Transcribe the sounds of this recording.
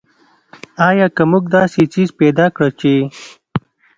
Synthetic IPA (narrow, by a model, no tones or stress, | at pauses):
ɑːjɑːkəmuɡd̪ɑːset͡ʃizpeːd̪ɑːkɽət͡ʃe